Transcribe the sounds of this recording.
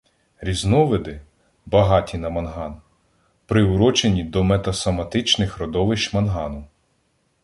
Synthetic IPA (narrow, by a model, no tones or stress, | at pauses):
ɾʲiznɔʋɪd̪ɪ | bɐɦɑtʲinɐmɐnɦɑn | pɾɪʊɾɔt͡ʃenʲid̪ɔmɛt̪ɐsɔmɐt̪ɪt͡ʃnɪxɾɔd̪ɔʋɪʃt͡ʃmɐnɦɑnʊ